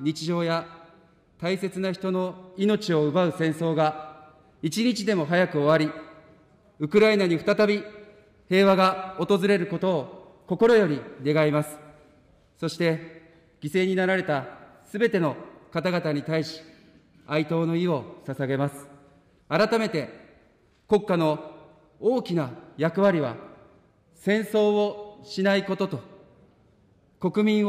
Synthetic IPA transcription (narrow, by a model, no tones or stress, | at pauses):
ɲ̟it͡ɕiʑo̞ːja | t̪aise̞t͡sɨnaçi̥t̪o̞no̞ino̞t͡ɕio̞ɯ̟baɯ̟sẽ̞ɰ̃so̞ːɡa | it͡ɕiɲ̟it͡ɕid̪e̞mo̞ɦajakɯ̟oβaɾʲi | ɯ̟kɯ̟ɾainaɲ̟iɸ̟t̪at̪abʲi | he̞ːβaɡao̞t̪o̞zɨɾe̞ɾɯ̟ko̞t̪o̞ː | ko̞ko̞ɾo̞jo̞ɾʲine̞ɡaimasɨ̥ | so̞ɕi̥t̪e̞ | ɡ̥ʲise̞ːɲ̟inaɾaɾe̞t̪asɨbe̞t̪e̞no̞kat̪aɡat̪aɲ̟it̪aiɕi̥ | ait̪o̞ːno̞io̞sasaɡe̞masɨ̥ | aɾat̪ame̞t̪e̞ | ko̞kːano̞ | oːkʲinajakɯ̟βaɾʲiβa̰ | sẽ̞ɰ̃so̞ːoɕinaiko̞t̪o̞t̪o̞ | ko̞kɯ̟mʲĩɰ̃